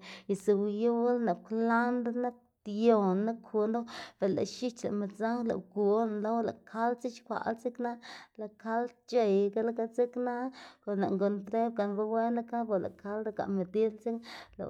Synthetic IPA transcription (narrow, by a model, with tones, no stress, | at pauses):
i˨se˨wju˦lna˨kla˦nd̪a˦na˦k̚t̪jo˨nːa˦kʰu˧nd̪o˦b̥e˨la̰˨ʃi˦t͡ʃla̰˨ʔme˨t͡sa˦la̰˨wku˨˦nlo˦wla̰˨kʰa˦lt͡si˦t͡ʃkʷa̰˨lt͡si˦kna˦la˨ka˦lt͡ʃe˨jɡa˦la˦ka˦t͡si˦kna˦ko˨nla̰˨ŋɡo˨˧nt̪ɾe˦b̚ɡa˨nɾu˧we˦na˦ka˦bo˨la̰˨kʰa˦ld̪a˧ka̰˨ʔme˨d̪i˦lt͡si˦ŋla̰˨